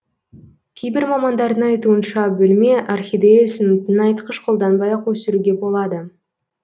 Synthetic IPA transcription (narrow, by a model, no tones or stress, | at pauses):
kʲʰejbɪɾmɑmɑnd̪ɑɾd̪əɴɑjt̪uənʃɑbʏlmeʔɑrχʲijd̪ejsɪnt̪ɪnɑjt̪qəʃqʰo̞lˠd̪ɑnbɑjɑqwɵsɪɾuɡʲe̞bo̞lˠɑd̪ə